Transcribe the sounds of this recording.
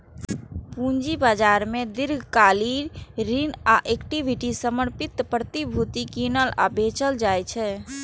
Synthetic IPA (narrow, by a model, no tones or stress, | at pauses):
pũnd͡ʒibad͡ʒaɾmed̪iɾɡʱkaliɾɾinaʔekʈibʱiʈisəməɾpit̪pɾət̪ibʱut̪ikinəla̰bʱet͡ʃəld͡ʒajt͡ʃʰɛ